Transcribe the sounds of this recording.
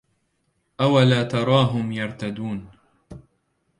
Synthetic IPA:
ʔawalaːt̪ɑɾˤɑːɦʊmjɑɾˤt̪ad̪uːn

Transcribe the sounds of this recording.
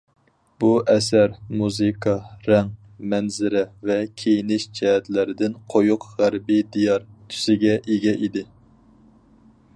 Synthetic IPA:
b̥uʔɛsæɾmuzɨkʰɑɾɛŋ | mɛnzɪɾɛvɛkʲʰejinɪʃd͡ʒɛɦɛt̪lɪɾɪd̪ɪnqʰojuqʁæɾbid̪ijɑɾt̪ʰy̥sɪɡʲɛʔeɡʲɛʔid̪ɪ

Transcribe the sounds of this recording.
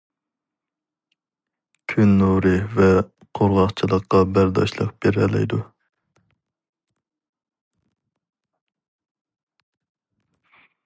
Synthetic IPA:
kʲʰynːuɾɨvɛ | qʰoɾʁɑχt͡ʃʰilˠəqːɑbæɾd̪ɑ̰ʃlˠə̰qb̥eɾɛlɛ̰jd̪u

